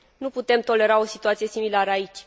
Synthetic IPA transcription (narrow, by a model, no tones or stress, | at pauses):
nuput̪e̞mt̪o̞le̞ɾao̞sit̪uat̪sije̞similaɾəait͡ʃʲ